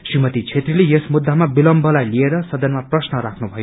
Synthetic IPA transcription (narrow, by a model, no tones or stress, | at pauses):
srimʌt̪it͡sʰet̪rilejʌsmud̪ʱːamabilʌmbʱʌlajlieɾʌsʌd̪ʌnmaprʌsnʌɾakʰnubʱʌjo